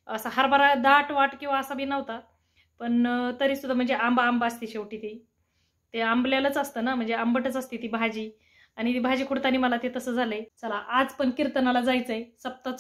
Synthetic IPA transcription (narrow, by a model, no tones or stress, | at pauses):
əsaɦaɾbaɾad̪aʈʋaʈkĩw̃ʋaəsabʱiːnəʋt̪a | pəɳt̪əɾisud̪ʱːam̤əɳd͡zeʔambaːmbast̪iːɕeʋʈiːt̪i | t̪eambljalət͡səst̪əːnam̤əɳd͡zeambəʈət͡sast̪it̪iːbʱad͡ʑiː | aɽ̃it̪ibʱad͡ʑiːkʰuɽt̪aniːməlat̪et̪əsəːd͡zʱalət͡salaʔad͡zpəɳkiɾt̪ənalad͡zajt͡səjsəp̚t̪at͡s